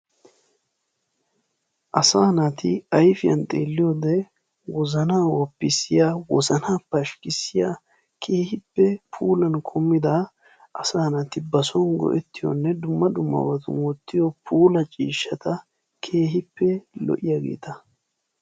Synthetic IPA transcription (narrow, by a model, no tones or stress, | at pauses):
ʔɐsaːnat̪ʰɪɐjfɪjɐ̰nt̪ʼe̞̰ːlːɪjod̪ɛ | wɔzɐnaːwɔpːɪsɪjaːwɔzɐnaːpɐʃkɪsːɪjaː | kʰe̞ːhɪpːɛpʰuːlɐnkʰɔmːɪd̪ɐ | ʔɐsaːnɐt̪ɪbɐsɔnɡɔ̰ʔɛt̪ːɪjɔ̰nːɛd̪ʊmːɐd̪ʊmːɐ̰bɐt̪ʊ̰nwɔt̪ːɪjɔpʰuːlɐt͡ʃʼiːʃːɐt̪ɐ | kʰe̞ːɦɪpːɛlɔ̰ʔɪjaɡḛːt̪ɐ